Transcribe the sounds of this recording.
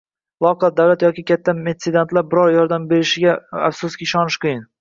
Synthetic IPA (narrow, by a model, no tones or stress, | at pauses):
lˠɒqɑd̪awlat̪jɒkʲɪkʲʰat̪ʰːamed̪sɪd̪ant̪laɾbɪɾɒɾjɒɾd̪ambe̞ɾɪʃɪɡʲaafsʊskʲiɪʃɒnɪʃqɨjɪn